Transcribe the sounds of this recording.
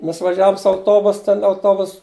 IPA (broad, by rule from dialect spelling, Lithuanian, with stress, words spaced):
ˈmʲɛs ʋɐˈʒʲæːʋʊm sʊ ɐʊˈtoːbʊs ˈtʲɛn ɐʊˈtoːbʊs